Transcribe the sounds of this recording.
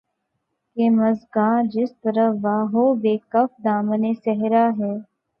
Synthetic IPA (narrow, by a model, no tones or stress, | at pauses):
keːmɐzɡãːd͡ʒɪst̪əɾəʋaːɦoːbeːkəfd̪aːməneːsɛɦɾaːɦɛː